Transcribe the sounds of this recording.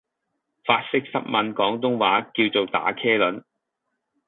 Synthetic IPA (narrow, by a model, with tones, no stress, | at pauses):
faː˧t̚sɪ˥k̚sɐ˥t̚mɐ˨˧nkɔː˨˥ŋt̪ʊ˥ŋwaː˨˥kiː˧wt͡so˨wt̪a̰ː˨˥kʰɛː˥lɵ˨˥n